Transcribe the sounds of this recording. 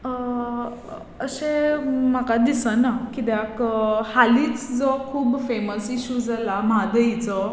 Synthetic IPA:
əɕem̤akad̪isənakit̪jakhaliːt͡sd͡zɔkʰuːbfeməsiɕud͡zalamad̪əit͡sɔ

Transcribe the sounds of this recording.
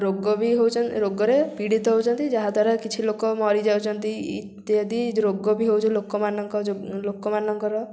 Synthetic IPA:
ɾoɡɔbiɦewt͡ʃʰɔɾoɡɔɾepiɽit̪ɔɦowt͡ʃʰɔnt̪id͡ʒaɦad̪ʱaɾakit͡ʃʰilokɔmɔɾid͡ʒawt͡ʃʰɔnt̪iḭt̪jad̪iɾoɡɔbiɦewt͡ʃʰɔ̃lokɔmanɔŋkɔlokɔmanɔŋkɔɾɔ

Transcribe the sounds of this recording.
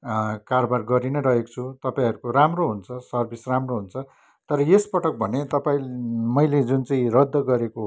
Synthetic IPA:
kaɾobarɡʌɾinʌɾʌɦekt͡sʰut̪ʌpaĩʌɾukoramroɦunt͡sʰʌsʌrbʱisramroɦunt͡sʰʌ | t̪ʌɾʌjespʌʈʌk̚bʱʌnet̪ʌpaĩmʌjled͡zunt͡sʌ̃ĩrʌd̪ʱːʌɡʌɾeko

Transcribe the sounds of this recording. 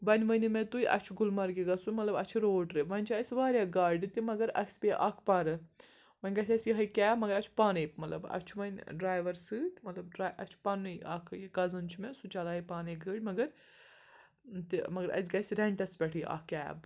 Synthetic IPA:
ʋɐnʲʋɐnimẽt̪ujʔɐ̰t͡ʃʰuɡulmɐɾɡiɡɐsumɐt̪lɐbɐt͡ʃʰiɾoːɖɾɨʋɐnʲt͡ʃʰɐsʲʋaːɾʲjaːɡaːɾɖɨt̪imɐɡɐɾɐ̰ksʲpʲeʔɐ̰kʰpɐɾɨ | ʋɐnʲɡɐsʲɐsʲjiɦɐjkʲɛːmɐɡɐɾɐt͡ʃʰu̥paːnepmɐt̪lɐbɐ̰t͡ʃʰuʋɐnʲɖɾaːjʋɐɾsɨt̪mɐt̪lɐbɖɾaːʔɐt͡ʃʰpɐnɨjɐ̰kʰjɡɐzɐnt͡ʃʰimesut͡ʃɐlɦɐjpaːneɡəːʈʲmɐɡɐɾ | t̪imɐɡɐɾɐ̰sʲɡɐsʲɾeɳʈɐspʲɐʈʰijʔa̰kːɛ̰ːb

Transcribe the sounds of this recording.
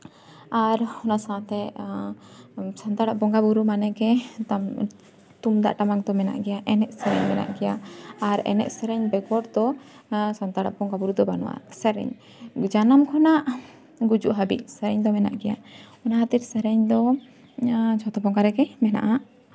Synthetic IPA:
aɾhɔnasaat̪ɛ | sant̪aɽaʔbɔŋɡabuɾumanɛkɛt̪am | t̪umd̪a̰ʔʈamaŋt̪ɔmɛna̰ʔɡɛjaʔɛnɛʔsɛɾɛ̰ɲmɛna̰ʔɡɛjaaɾɛ̰nɛ̰ʔsɛɾɛɲbɛɡɔɾd̪ɔ | sant̪aɽa̰ʔbɔŋɡabuɾud̪ɔbanṵwa̰sɛɾɛ̰ɲ | d͡ʒanamkʰɔnaʔ | ɡud͡ʒuʔɦabḭʔ̚sɛɾɛɲd̪ɔmɛna̰ʔɡɛja̰ɔnahat̪iɾsɛɾɛɲd̪ɔ | t͡ʃʰɔt̪ɔbɔŋɡaɾɛɡɛmɛna̰ʔa

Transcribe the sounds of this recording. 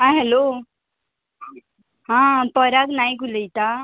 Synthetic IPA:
ɦãɦɛlo | ɦãpəɾaknajɡuləit̪a

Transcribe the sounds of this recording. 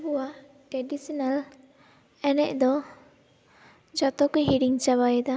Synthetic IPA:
ɦuwa | ʈɛɖisinal | ɛnɛʔd̪ɔ | d͡ʒɔt̪ɔkɔɦiɖiŋt͡ʃaβajɛd̪a

